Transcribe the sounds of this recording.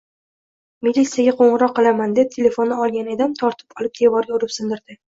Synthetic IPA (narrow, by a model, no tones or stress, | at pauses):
milʲit̪sijaɡʲaqʰoɴɨɾɒqːɨlˠamand̪e̞p̚t̪ʰele̞fo̞nːaɒlˠɡʲaned̪amt̪ʰɒɾt̪ʰɪ̥pɒlˠɪp̚d̪̥e̞vɒɾjoɾɪpsɪnd̪ɪɾd̪̥ɪ